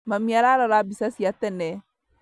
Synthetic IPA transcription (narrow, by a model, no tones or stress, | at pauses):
mamiaɾaɾaɾabisasiat̪ɛnɛ